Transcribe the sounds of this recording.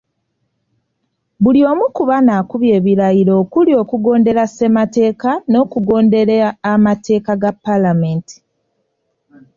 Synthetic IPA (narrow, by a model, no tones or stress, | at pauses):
βulio̞ːmukuβanakuβje̞ːβiɾajiɾo̞ːkulio̞ːkuɡo̞ːnde̞ɾase̞mate̞ːkano̞ːkuɡo̞ːnde̞ɾeaːmate̞ːkaɡapːalameːnti̥